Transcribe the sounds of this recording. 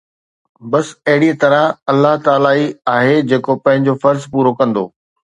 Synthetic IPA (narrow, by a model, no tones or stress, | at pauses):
bɐsɐɦɪɽiə̃t̪ɐɾə̃ɐlːaɦt̪aːlaːiaːɦed͡ʑeːkopɐ̃ɦɪ̃ɲ̆d͡ʑofɐɾzpuːɾokɐ̃nd̪oː